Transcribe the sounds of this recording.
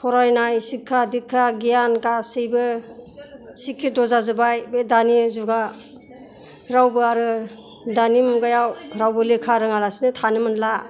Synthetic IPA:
pʰɔɾajnajsikʰːadikʰːaɡijankasɯjbɯ | sikʰːedɔzazɯbajbedanizuɡa | ɾawbɯaɾɯ | danimuɡajawɾawbɯlekʰaɾɯŋalasinɯtʰanɯmɯnla

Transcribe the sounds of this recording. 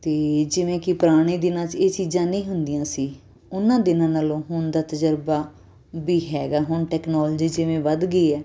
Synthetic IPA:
t̪eːd͡ʒɪʋẽːkɪpɾaːɽ̃iːd̪ɪnãːt͡ʃeːt͡ʃiːd͡ʒãːnĩːɦʊnd̪ɪjãːsiː | ʊnãːd̪ɪnãːnaːlõːɦʊɳd̪aːt̪əd͡ʒəɾbaː | biːɦɛːɡaːɦʊɳʈɛːknɔːld͡ʒiːd͡ʒɪʋẽːʋəd̪ɡəiːɛː

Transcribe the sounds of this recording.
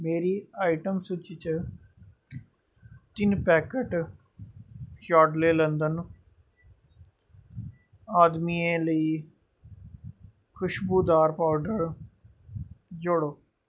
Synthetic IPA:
meːɾiːaːɪʈəmsʊt͡ʃiːt͡ʃ | t̪ɪnpɛːkəʈ | ʃaːɖleːlənd̪ən | aːd̪miːẽːləiː | kʰʊʃbuːd̪aːɾpaːʊɖəɾ | d͡ʒʊɽoː

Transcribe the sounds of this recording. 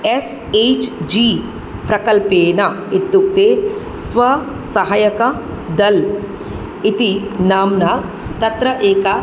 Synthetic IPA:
es | eːt͡ʃd͡ʒiː | pɾɐkɐlpeːnɐ | it̪ːuk̚t̪eː | sʋɐ | sɐɦɐjɐkɐ | d̪ɐl | it̪inaːmnɐ | t̪ɐt̪ɾɐʔeːkɐ

